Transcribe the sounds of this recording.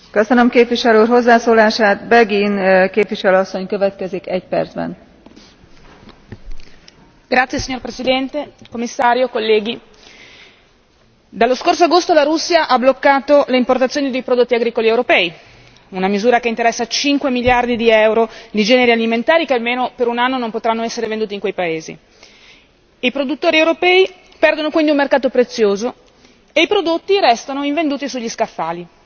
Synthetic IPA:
køsønømkeːpviʃɛlurɦozːaːsoːlaːʃaːt̪bɛɡinkeːpviʃɛløːɒsːoɲkøvɛt̪kɛzikɛɟpɛ̰rd̪zbɛ̰n | ɡ̥ɾat̪sːjesiɲːorpɾesid̪ɛnt̪ekomːisːaːɾjokolːɛːɡi | d̪alːoskorsoaɡost̪olaɾusːjaʔablokːaːt̪oleimport̪at̪sjoːnid̪ejpɾod̪ot̪ːiaɡɾiːkoliɛwɾopɛːi | unamizuːɾakeint̪eɾɛsːat͡ʃiŋkwemiljard̪id̪iɛwɾod̪id͡ʒɛːneɾialiment̪aːɾikealmeːnopeɾunanːonompot̪ɾanːoɛsːeɾevend̪uːt̪iŋkwejpaeːzḭ | ipɾod̪ut̪ːoːɾiewɾopɛːi | pɛrd̪onokwind̪iumerkaːt̪opɾet̪sːjoːzo | eipɾod̪ot̪ːiɾɛst̪anoiɱvend̪uːt̪isuʎːiskafːaːli

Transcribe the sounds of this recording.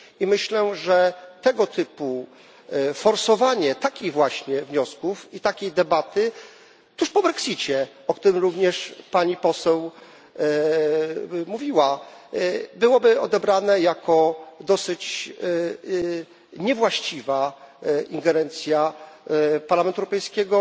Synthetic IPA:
imɘɕlɛʐɛt̪ɛɡɔt̪ʰɘpu | fɔɾsɔvaɲɛt̪akʲiɣvwaɕɲɛvɲɔskufit̪akʲejd̪ɛbat̪ɘ | t̪uʂpɔbɾɛksʲit͡ɕɛ | ɔkt̪uɾɘmɾuvɲɛʂpaɲipɔsɛw | muvʲiwa | bɘwɔbɘɔd̪ɛbɾanɛjakʰɔd̪ɔsɘt͡ɕ | ɲɛvwaɕt͡ɕiva | iŋɡɛɾɛnt̪sʲja | paɾlamɛnt̪uɛwɾɔpɛjskʲɛɡɔ

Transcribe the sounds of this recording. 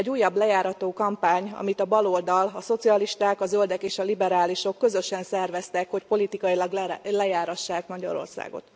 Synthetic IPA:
ɛɟːuːjːɒblɛjaːɾɒt̪oːkɒmpaːɲɒ̰mit̪ɒbɒlo̞ld̪ɒlɒso̞t̪siɒliʃt̪aːkɒzøld̪ɛkeːʃɒlibɛɾaːliʃo̞kːø̞zø̞ʃɛnsɛrvɛst̪ɛkho̞cpo̞lit̪ikɒjilɒɡllɛjaːɾɒʃːaːkmɒɟɒ̰ɾo̞̰rsa̰ːɡo̞̰t̪

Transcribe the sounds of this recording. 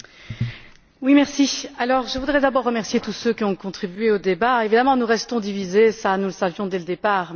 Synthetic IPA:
wimɛʁsialɔʁʒəvud̪ʁɛd̪abɔʁːəmɛʁsjet̪usøkʲiɔ̃kɔ̃t̪χibɥeod̪ebaevid̪amɑ̃nuʁɛst̪ɔ̃d̪ivizesanuləsavjɔ̃d̪ɛləd̪epaːʁ

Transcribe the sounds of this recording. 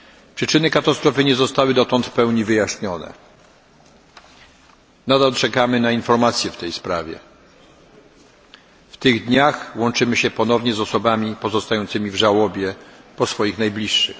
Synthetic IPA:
pʂɘt͡ʂɘnɘkat̪ast̪ɾɔfɘɲɛzɔst̪awɘd̪ɔt̪ɔnt̪pɛwɲivɘjaɕɲɔnɛ̰ | nad̪alt͡ʂɛkamɘnainfɔɾmat̪sʲjɛft̪ɛjspɾavʲjɛ̰ | ft̪ɘɣd̪ɲaxwɔnt͡ʂɘmɘɕɛpɔnɔvɲɛzɔsɔbamʲipɔzɔst̪ajɔnt̪sɘmʲivʐawɔbʲjɛpɔsfɔjixnajblʲiʂːɘ̰x

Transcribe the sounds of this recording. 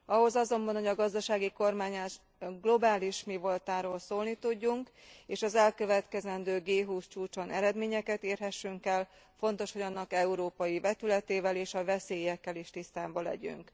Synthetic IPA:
ɒɦo̞zɒzo̞mbɒnhoɟɒɡɒzd̪ɒʃaːɡiko̞rmaːɲaʃ | ɡlo̞baːliʃmivo̞lt̪aːɾoːlsoːlnit̪uɟːuŋk | eːʃɒzɛlkø̞vɛt̪kɛzɛnd̪øːɡeːɦuːst͡ʃuːt͡ʃonʔɛɾɛd̪meːɲɛkɛt̪eːrɦɛʃːyŋkɛlfo̞nt̪o̞ʃho̞ɟɒnːɒkɛuɾoːpɒjibɛt̪ylɛt̪eːvɛleːʃɒvɛseːjɛkːɛleːʃt̪ist̪aːbɒlɛ̰ɟy̰ŋk

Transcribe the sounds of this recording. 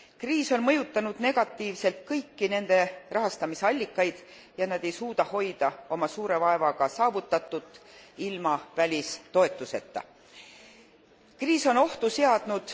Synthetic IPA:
kriːso̞nmɤjut̪ːˑɑnud̪̥ne̞ɡ̥ɑt̪ˑːiːvse̞lt̪̚kɤjkːine̞nd̪̥e̞rɑɦɑst̪ɑmiseɑlʲːikːɑjd̪̥ | jɑnɑd̪̥e̞jsuːd̪̥ɑho̞jd̪̥ɑo̞mɑsuːɾe̞vɑe̞vɑɡ̥ɑsɑːvut̪ːˑɑt̪ːˑut̪ːˑilmɑvælʲist̪o̞e̞t̪ːˑuse̞t̪ːɑ̰ | kriːso̞no̞ht̪use̞ɑd̪̥nud̪̥

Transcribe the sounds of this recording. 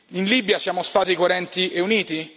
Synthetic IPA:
inlibjasjaːmost̪aːt̪ikoɾɛnt̪iʔeuniːt̪i

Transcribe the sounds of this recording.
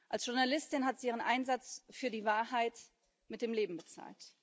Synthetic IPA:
ʔalsʒ̥ʊɐnalɪstɪnɦatz̥iːʔiːʁ̞ənʔaɪnzat͡sfyːɐdiːvaːɐhaɪt | mɪt̚d̥eːmleːbm̩bət͡sa̰ːlt

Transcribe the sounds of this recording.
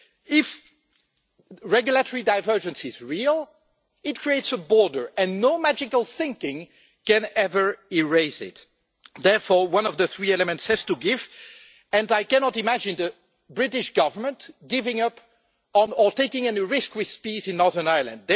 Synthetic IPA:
ɪf | ɹɛɡjʊlˠətɔɹidaɪvɜ˞d͡ʒɨ̃nsɪzɹilˠ | ɪt̚kʰɹ̥ieɪtsəbɔɹdə˞ɨ̃nːoʊmæd͡ʒɪkəlˠθɪ̃ŋkɪ̃ŋ | kɛ̃nɛvə˞ɪɹeɪzɪ̰t | ðɛɹfɔɹwʌ̃nɔvðəθɹiɛləmɨ̃ntshɨz̥tuɡɪv | ɨ̃naɪkænɑtɨmæd͡ʒɪ̃nðə | bɹɪɾɪʃɡ̥ʌvə˞mə̃ntɡ̥ɪvɪ̃ŋʌp | ə̃nə˞teɪkɪ̃ŋɛniɹɪskwɪð̥spizɪ̃nːɔɹðə˞naɪlˠə̰̃nd̚ð

